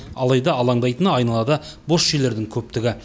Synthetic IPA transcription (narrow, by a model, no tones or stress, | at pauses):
ɑ̰lˠɑjd̪ɑɑlˠɑɴd̪ɑjt̪ənəɑjnɑlˠɑd̪əbo̞sʃele̞ɾd̪ɪŋkʲʰɵp̚t̪ɪɡʲɪ